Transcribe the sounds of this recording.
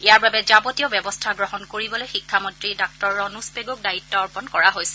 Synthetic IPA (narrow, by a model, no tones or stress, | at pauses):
ijaɹbabɛzabɔtiɔbɛbɔstʰaɡɹɔɦɔnkoɹibɔlojxikʰːamɔntɹidak̚tɔɹːɔnuspeɡuk̚dajitːɔɔɹpɔnkɔɹaɦojsɛ